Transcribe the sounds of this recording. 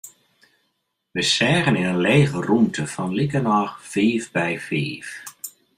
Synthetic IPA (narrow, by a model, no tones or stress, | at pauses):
ʋəsɛːɣənɪnənleːɣərumtəfɔnlikənɔːχfiːfbɛjfḭːf